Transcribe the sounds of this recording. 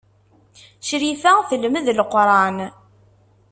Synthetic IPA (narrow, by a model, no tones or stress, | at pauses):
ʃɾifæθəlməðlqːɾˤɑn